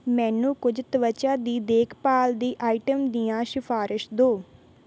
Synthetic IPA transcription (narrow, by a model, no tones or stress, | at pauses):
mɛ̃ːnũːkʊd͡ʒt̪əʋət͡ʃãːd̪iːd̪eːkʰpaːld̪iːʔaːɪʈəmd̪ijãːʃɪfʰaːɾɪʃd̪oː